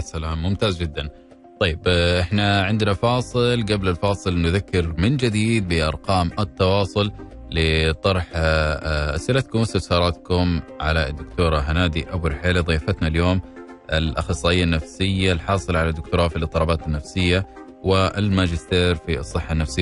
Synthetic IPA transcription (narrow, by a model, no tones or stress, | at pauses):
salaːmːʊmt̪aːzd͡ʒɪd̪ːan | t̪ˤɑjːɪbʔɪħnaʕɪnd̪nafɑːsˤɨlɡablɪlfɑːsˤɨlnʊðakːɪɾmɪnd͡ʒɪd̪iːd̪̚bɪʔɑ̰ɾˤqɑːmʔɪt̪ːɑwɑːsˤʊl | lɪt̪ˤɑɾˤħ | ʔa̰sʔɪlat̪kʊmːʊst̪ːasɑːɾˤɑt̪kʊmʕa̰lad̪ːʊkt̪uːɾˤɑɦanaːd̪iʔabʊɾħeːliðˤiːfat̪naljoːm | ʔɪ̰lʔaxɑsˤːɑːʔɪjːanːafsɪjːalħɑːsˤɨlʕalad̪ːʊkt̪ʊɾˤɑːfilɨt̪ˤːɨlɑbaːt̪ɪnːafsɪjːa | wɪɪlmad͡ʒɪst̪eːɾfisˤːɨħːanːafsɪjːa